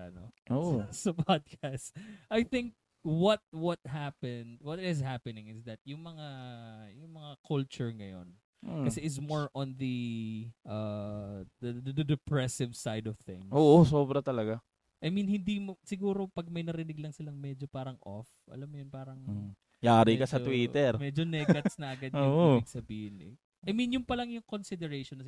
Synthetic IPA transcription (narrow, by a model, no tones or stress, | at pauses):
ɐ̰no̰ʔosɐpod̪̚kast̪ʔajθɪŋk̚ | wɔt̪̚wɔt̪̚hapɛnd̪wɔt̪̚hɛzhapɛnɪŋɪsd̪ɐt̪̚jʊŋmɐŋajʊŋmɐŋakʰʊlt͡ʃʊɹŋɐjo̞̰n | kɐsɛʔɪs̬moɹʔɔ̃nðɐʔɐ | d̪ɐd̪d̪ɐd̪ɛpɹɛsɪvsajd̪ɔv̥θɪ̰̃ŋʔoːʔosoːbɾɐt̪ɐlɐɡa | ʔɐjminhɪnd̪imosɪɡuːɾo̞pɐɡ̚mɐjnɐɾɪnɪɡ̚lɐŋsɪlaŋmɛd͡ʒopaːɾɐŋʔo̰f | ʔɐ̰lamːʊjonpaːɾɐŋ | jaːɾikɐsɐt̪wiːt̪ɛɾmɛːd͡ʒonɛɡɐt̪snɐʔɐɡadjʊːʔiɪɡsɐbiːhɪnɛ̰ | ʔajminjʊŋpɐlɐŋjʊŋkonsɪd̪ɛɾejʃonɐ